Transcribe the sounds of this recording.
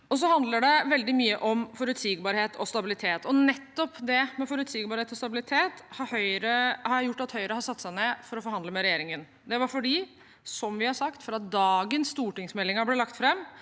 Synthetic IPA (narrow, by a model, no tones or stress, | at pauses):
ɔs̬ɔhɑnd̪ləɖɛʋɛld̪ɪmyːəʔɔmfɔɾʉt̪siːɡbɑɾheːt̪ʰɔst̪ɑbɪlɪt̪ʰeːt̪ɔnɛt̪ːɔpd̪ɛmɛfɔɾʉt̪siːɡbɑɾheːt̪ɔst̪ɑbɪlɪt̪ʰeːt̪hɑɾhœʏɾəhɑɾjæjʊʈːɑt̪hœʏəɾəhɑɾsɑt̪ːsæɪnɛfɔɾɔfɔɾhɑnd̪əmɛɾɛjeːɾɪŋən | d̪ɛʋɑɾfɔɖiː | sɔmʋɪhɑɾsɑkt̪fɔɾɑt̪̚d̪ɑːɡənsːt̪uːʈɪŋsmɛlːɪŋɑblɛlɑkt̪fɾɛmː